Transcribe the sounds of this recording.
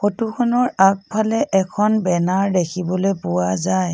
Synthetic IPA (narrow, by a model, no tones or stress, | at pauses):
xotukʰɔnɔɹak̚pʰalɛʔɛkʰɔnbɛnaɹdekʰibɔlepʊwazaj